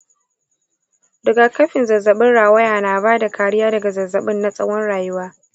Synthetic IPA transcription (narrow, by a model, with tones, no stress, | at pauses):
dʊ˨ɡa˨kɐ˦ɸɪ˨nzɐ˨zːɐ˨ɓɪ˦nɽaː˨wɐ˦jaː˨naː˨baː˦da˨kaː˨ɽɪ˦jaː˦dɐ˨ɡa˨zɐ˨zːɐ˨ɓɪ˦nːa˦sʼɐ˦wɔ˦nɽaː˨jɪ˦waː˦